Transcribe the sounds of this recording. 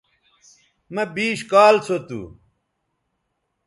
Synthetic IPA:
mɐbiːɕkaːlt͡sʰot̪ṵː

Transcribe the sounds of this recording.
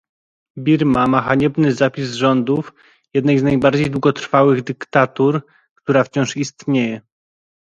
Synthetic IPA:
bʲiɾmamaxaɲɛbnɘzapʲizʐɔnd̪uf | jɛd̪nɛjznajbaɾd͡ʑejd̪wuɡɔt̪ɾfawɘɣd̪ɘkt̪at̪uɾ | kt̪uɾaft͡ɕɔ̃w̃ʂist̪ɲejɛ

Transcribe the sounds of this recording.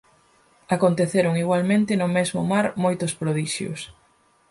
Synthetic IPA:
akont̪eθeɾʊŋiɣwalmẽnt̪ɪnʊmezmʊmaɾmojt̪ʊspɾoðiʃjʊ̰s

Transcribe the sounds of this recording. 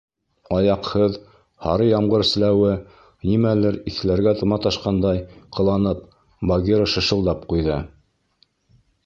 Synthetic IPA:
ɑjɑqhɤð | hɑ̰ɾɤjɑmʁɤɾ̆slæwɘ | nimælɘɾiθɘ̆læɾɡæt̪ɤ̆mɑt̪ɑʃqɑnd̪ɑjqɤ̆lˠɑnɤp̚ | bɑɡʲiɾəʃɤ̆ʃɤ̆lˠd̪ɑp̚qujðɤ

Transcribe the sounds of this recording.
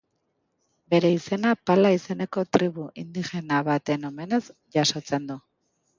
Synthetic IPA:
be̞ɾe̞ise̞napalaise̞ne̞ko̞t̪ɾiβuʔind̪ixe̞naβat̪e̞no̞me̞ne̞zʝaso̞t͡se̞nd̪u

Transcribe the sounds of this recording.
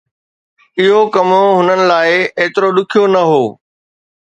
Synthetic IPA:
ɪɦokɐmoɦʊnənɪ̆laːɪeːt̪ɪɾoɗ̪ʊkʰijonɐɦoː

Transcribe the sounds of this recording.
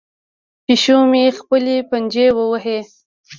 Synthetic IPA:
piʃumexpəlepənd͡ʒewəwəɦe

